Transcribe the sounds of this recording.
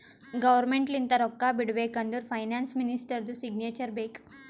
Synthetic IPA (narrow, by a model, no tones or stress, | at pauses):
ɡəʋəɾmeɳʈlint̪aɾɔkːabiɽʋekənd̪uɾfajnansminisʈəɾd̪usiɡnet͡ɕəɾbek